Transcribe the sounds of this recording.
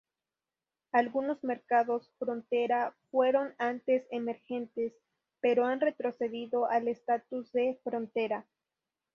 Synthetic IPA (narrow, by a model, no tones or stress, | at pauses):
alɣuno̞zme̞ɾkaðo̞sfɾo̞nt̪e̞ɾafwe̞ɾo̞nant̪e̞semeɾxe̞nt̪e̞s | pe̞ɾoanre̞t̪ɾo̞se̞ðiðo̞ʔalest̪at̪uzðe̞fɾo̞nt̪e̞ɾa